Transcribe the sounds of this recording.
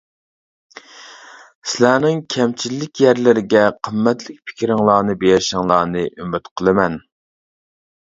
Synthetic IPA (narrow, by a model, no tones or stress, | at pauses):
sɪlæːnɪŋkʲʰɛmt͡ʃʰilːɪkʲjɛɾlɪɾɪɡʲɛqʰəmːɛt̪lɪk̚ʲpʰɪ̥kʲɾɪŋlˠɑːnɨbejɾʃɪŋlˠɑːnɨʔymyt̪qʰəlˠɨmɛn